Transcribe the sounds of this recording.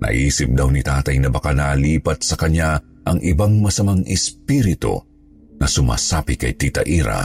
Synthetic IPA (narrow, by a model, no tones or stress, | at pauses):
nɐ̰ʔiːsɪp̚d̪awnit̪aːt̪ɐjnɐbɐkanaːliːpɐt̪̚sɐkɐɲa | ʔɐŋʔɪbaŋmɐsɐmaŋʔɛspiɾɪt̪o̰ | nɐsʊma̰ːsapɪkɐjt̪it̪ɐʔiɾɐ̰